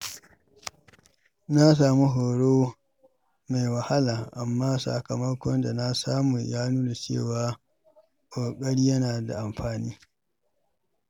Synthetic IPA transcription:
na˦s̬aː˨mu˦ɦoː˨ɽoː˦ | me˨jwɐ˨ha˦laː˨ʔa˨mːaː˦sa̰˨kɐ˨mɐ˦kʷɔ˦nda˨na˦saː˦mu˨jaː˦nuː˦la˨t͡ʃḛː˦˨waː˨ | kʷʼoː˨kʼɐ˦ɽiː˦jɐ˦naː˨da̰˨ʔa˨mɸaː˨niː˦

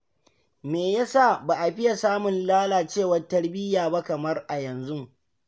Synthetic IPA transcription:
meː˨ja˦sa˦˨baː˨ʔa˨ɸɪ˦ja˨saː˦mʊ˨nlaː˦laː˨t͡ʃeː˦˨wɐ˦rtɐ˦ɽbɪ˦jaː˨ba˦kɐ˨mɐ˦rʔa˨jɐ˨nzu˦

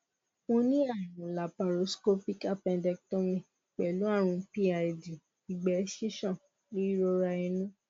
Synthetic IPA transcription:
õ˧nĩ˦a˦˨ɾũ˨la˨pa˨ɾo˨˦sko˦pi˦ka˦pɛ̃˧dɛ˧k̚tõ˦mĩ˨ | k͡pɛ˨lu˨˦a˦˨ɾ̃ũ˧˦pi˦a˧˨di˨ | i˨ɡ͡bɛ˨˦ʃi˦ʃɔ̃˦˨ | li˦i˦ɾo˦ɾa˧ĩ˧nũ˦

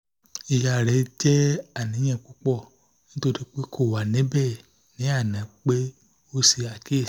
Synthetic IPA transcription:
i˧ja˧˨ɾɛ˨˦d͡ʒɛ˦a˨nĩ˨˦ɲɛ̃˧˨k͡pu˨˦k͡pɔ˦˨ | nĩ˦to˧di˦k͡pe˦kʰo˦˨wa˨nẽ˨˦bɛ˦˨ | nĩ˨˦a˦˨nɛ̃˨k͡pe˦ | o˦si˧a˨ke˦˨

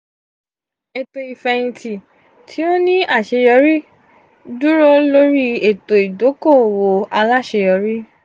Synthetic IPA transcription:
ɛ˨to˨i˨fɛ˨˧ĩ˧tʰi˨ | tʰi˨˦o˦nĩ˦a˦˨ʃe˨˧˦jɔ˧˦ɾi˦ | du˦ɾɔ˦lo˦ɾi˦e˨to˨i˨do˨˦ko˦˨o˨wo˨a˧la˦˨ʃe˧jɔ˨˧˦ɾi˦

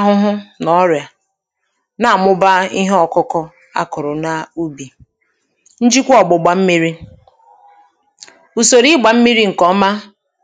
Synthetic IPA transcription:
a˦ɦʊ˦ɦʊ˦nɔ˦ɾja˨ | na˨a˨mʊ˦ba˦i˦ɦe˦ɔ˨kʊ˦kɔ˦ | a̰˦kʊ˨ɾʊ˨na˦u˦bi˨ | n̩˦d͡ʒi˦kʷɔ˨ɡ͡bʊ˨ɡ͡ba˨m̩˦mi˦ɾi˦ | u˨so˨ɾi˦ɡ͡ba˨m̩˦mi˦ɾi˦ŋ̩˨kɔ˨˦ma˦

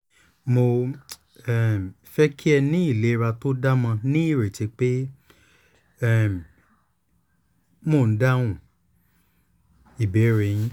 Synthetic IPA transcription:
mo˧ | ɛ˦˨ | fɛ˦kʰi˦ɛ˧nĩ˦i˦˨le˨˦˧ɾa˧to˦da˦mã˧nĩ˦i˦˨ɾe˨ti˧˦k͡pe˦ | ɛ˦˨m˨ | mo˦˨n̩˦dã˦ũ˦˨ | i˨be˨˦ɾe˨˧˨jĩ˦

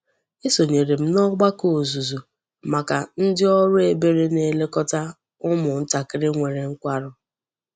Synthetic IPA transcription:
e˦so˨ɲe˨ɾe˨m̩˦nɔ˦ɡ͡ba˦ko˨zu˨zu˨ | ma˨ka˨n̩˦dɪ˦ɔ˦ɾʊ˦e˨be˨ɾe˦ne˨le˦kɔ˦ta˦ | ʊ˦mʊ˨n̩˦ta˨kɪ˦ɾɪ˦ŋʷe˨ɾe˨ŋ̩˦kʷa˦ɾʊ˦

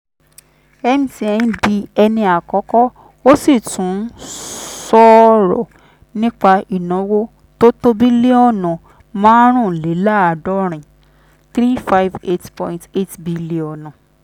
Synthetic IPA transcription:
ɛ˧mĩ˨ti˧˦ɛ˧ĩ˦bi˧ɛ˧nĩ˧a˨kɔ˨˦kɔ˦ | o˦si˦˨tũ˨˦sɔ˦ɾɔ̰˨ | nĩ˦k͡pa˧i˨nã˨˦wo˦ | to˦to˦bi˦le˦ɔ˦˨nã˨ | mãː˦ɾ̃ũ˦˨le˨˦la˦a˧˨dɔ˦ɾ̃ĩ˨ | t̪ɾi˦fa˦jve˦tpɔ̰̃˧ĩnte˦tbi˧˦li˨ɔ˨nã˨

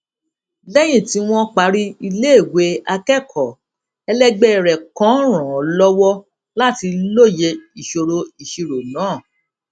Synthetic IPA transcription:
lɛ˦j̃ĩ˦˨ti˧w̃ɔ̃˦k͡pa˨˦ɾi˦i˧le˦e˦˨we˨˦a˧kɛ˦˨kʰɔ˨ | ɛ˧lɛ˦ɡ͡bɛ˦ɛ˨ɾɛ˨kã˨˦ɾ̃ã˨ɔ˨lɔ˦wɔ˦ | la˦ti˧lo˦˨je˧i˨ʃo˧ɾo˧i˨ʃi˧ɾo˨nãː˨˦˨

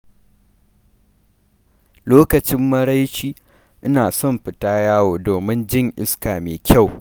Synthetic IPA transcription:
loː˦kɐ˨t͡ʃɪ˦mːɐ˦ɽa˦jt͡ʃiː˦ | ʔɪ˦naː˨sɔ˦˨mɸɪ˨taː˦jaː˦woː˨doː˨mɪ˦nd͡ʒɪ˦˨ŋʔɪ̰˦skaː˨meː˨kʲʰa˦˨w

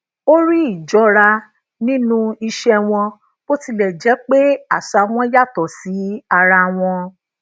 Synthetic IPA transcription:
o˦ɾi˦i˦˨d͡ʒɔ˨˦ɾa˧ | nĩ˦nũ˦i˧ʃɛ˧w̃ɔ̃˧ | bo˦ti˧lɛ˨d͡ʒɛ˨˦k͡pe˦a˦˨sa˧w̃ɔ̃˧˦ja˦˨tɔ˨si˨˦a˧ɾa˧w̃ɔ̃˧

